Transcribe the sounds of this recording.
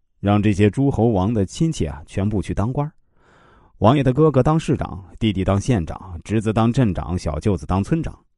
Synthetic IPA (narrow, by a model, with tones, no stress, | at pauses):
ɻɑ˥˧ŋʈ͡ʂɤ˥˩ɕ̬jɛ˥ʈ͡ʂu˥xo˧˥ʊwɑ˧˥ŋd̪ə˧˨t͡ɕʰi˥nt͡ɕʰjɛ̰˥˩˨t͡ɕʰɥɛ˧˥npu˥˧t͡ɕʰy˥˩t̪ɑ˥ŋkwa˥ | wɑ˧˥ŋjɛ˨˩d̪ə˧kɤ˥kɤ˧˥t̪ɑ˥ŋʂɻ̩˥˩ʈ͡ʂɑ̰˨˩˦ŋt̪i˥˧t̪i˥˩t̪ɑ˥ŋɕjɛ˥˩nʈ͡ʂɑ̰˨˩˦ŋʈ͡ʂɻ̩˧˥t͡s̩˧˥t̪ɑ˥ŋʈ͡ʂə˥˩ŋʈ͡ʂɑ̰˨˦ŋɕjɑ̰˨˩ʊt͡ɕjo˥˩ʊt͡sɹ̩˨˩t̪ɑ˥ŋt͡sʰwə˥nʈ͡ʂɑ̰˨˩˦ŋ